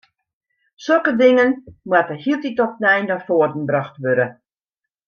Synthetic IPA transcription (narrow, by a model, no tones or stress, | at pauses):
sølˠkədɪŋənmwatəhiəlˠtitɔpnɛjnafoədn̩brɔxtʋøɾə